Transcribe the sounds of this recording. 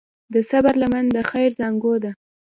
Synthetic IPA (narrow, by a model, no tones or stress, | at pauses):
d̪əsabaɾlamand̪əxajɾzɑŋɡod̪a